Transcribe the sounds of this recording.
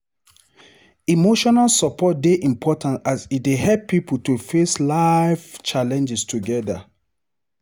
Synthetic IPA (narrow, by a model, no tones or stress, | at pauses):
imoʃɔnalsɔpʰɔt̚deʔĩmpʰɔtãntazit̚deɦɛlpʰːipl̩tufeslaɪft͡ʃalɛ̃nd͡ʒɛstʰuɡɛda̰